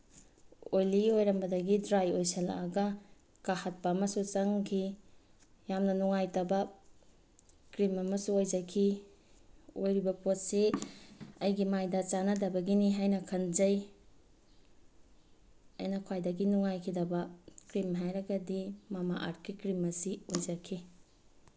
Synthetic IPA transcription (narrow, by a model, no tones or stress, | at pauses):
ojliojɾɐmbɐdɐɡidɾajojsela̰aɡɐ | kahat̚pɐːmɐsut͡ʃɐŋkʰi | jamnɐnuŋajtɐbɐ | kɾimɐmɐsuojd͡ʒɐkʰi | ojɾibɐpot̚se | ɐjɡimajdɐt͡ʃanɐdɐbɐɡiniɦajnɐkʰɐnzɐj | ɐjnɐkʰwajdɐɡinuŋajkʰidɐbɐkɾimɦajɾɐɡɐdimamaʔa̰ɾt̚kikɾimɐsiojd͡ʒakʰi